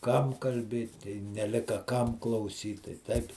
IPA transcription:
ˈkɐm kɐlʲˈbʲeːt ɪ nʲɛˈlʲɪkɐ ˈkɐm klˠɐʊˈsʲiːt tɐɪ ˈtɐɪp

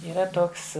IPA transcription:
iːˈrɐ ˈtoːks

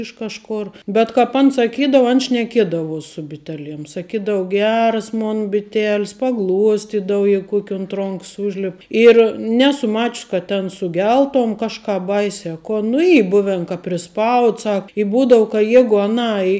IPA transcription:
ɪʃ ˈkɑːʃˌkoːr bʲɛt kɐp ˈɐn sɐˈkʲiːdɐʋʊ ɐn ʃʲnʲɛˈkʲiɛdɐʋuɔs sʊ bʲɪˈtʲæːˌlʲiɛm sɐˈkʲiːdɐw ˈɡʲæːrɐs ˈmoːn bʲɪˈtʲæːlʲɪs pɐˈɡlˠuɔsʲtʲɪdɐw ˈjɛɪɡʊ ˈkuɔkʲ ʊnt ˈroːŋks ˈuːʒʲlʲɛp ɪr ˈnʲæːsʊ ˈmɑːt͡ʃəs kɐ tʲɛn sʊˈɡʲɛlˠtoːm ˈkɑːʃˌkɑːp ˈbɐɪsʲɛ ɐ ˈkoːn nʊ ˈiː ˈbʊʋʲɛn kɐ pʲrʲɪˈspɐʊt ˈsɐk ɪ ˈbuːdɐʊ kɐ ˈjæːɡʊ ɐˈnɐɪ

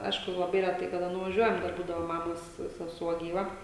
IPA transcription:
ˈɐɪʃkʊ lˠɐˈbɐɪ rʲɛˈtɐɪ kɐˈdɐ nʊʋɐˈʒʲuɔjɛm ˈdɐr ˈbuːdɐʋoː ˈmɑːmoːs sʲɛˈsuɔ ɡʲiːˈʋɐ

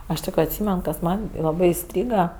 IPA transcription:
ˈɐʃ tʲɪk ɐtʲˈsʲiːmʲɛn kɐs ˈmɐnʲ lˠɐˈbɜ ɪˈsʲtʲrʲiːɡɐ

